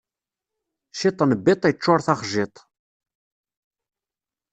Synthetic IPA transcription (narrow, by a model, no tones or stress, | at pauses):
ʃit̪ˤːnəbːɪt̪ˤit͡ʃːoɾθɑχʒɪt̪ˤ